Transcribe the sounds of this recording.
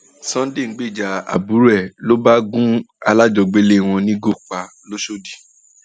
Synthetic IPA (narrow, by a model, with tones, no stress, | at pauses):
sɔ̃˦de˦˨ŋ̩˦ɡ͡be˦˨d͡ʒa˨a̰˨bu˨˦ɾɛ˦˨lo˦ba˦ɡũ˦ | a˧la˦d͡ʒɔ˧ɡ͡be˦le˦˨w̃ɔ̃˧nĩ˦ɡo˦˨k͡pa˨ | lo˦ʃo˦˨di˨